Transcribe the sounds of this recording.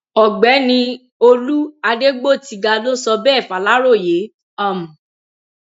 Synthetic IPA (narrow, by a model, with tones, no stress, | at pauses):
ɔ˨ɡ͡bɛ˨˦nĩ˧ | o˧lu˦a˧de˦ɡ͡bo˦˨ti˧ɡa˧do˦sɔ˧bɛ˦˨fa˨la˦ɾo˦˨je˨˦ | a˦˨mũ˨